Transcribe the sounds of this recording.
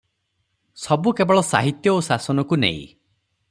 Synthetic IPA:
sɔbukebɔɭɔsa̰ɦit̪jɔosasɔnɔkunḛḭ̃

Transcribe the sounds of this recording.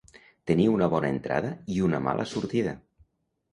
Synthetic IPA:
t̪eniunəβ̞ɔnəent̪ɾa̰ð̞əiunəma̰lʔə̰suɾt̪iðə

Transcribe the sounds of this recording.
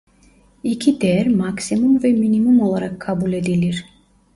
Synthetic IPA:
icʰid̪ɛɾmaksimumvɛminimumo̞lˠaɾakʰːabulʲe̞d̪ilʲiɾ

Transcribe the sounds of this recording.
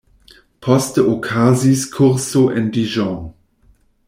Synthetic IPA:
pʰɔstəokʰaziskʰʊʁsoʔɛndiʒɔ̃

